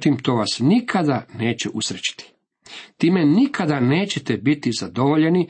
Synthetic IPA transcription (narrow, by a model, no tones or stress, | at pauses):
t̪imt̪oːʋasnikʰad̪ane̞ːt͡ɕeʔusɾet͡ɕi̥t̪i̥ | t̪iːmenikad̪ane̞ːt͡ɕet̪ebit̪izad̪oʋoʎe̞ni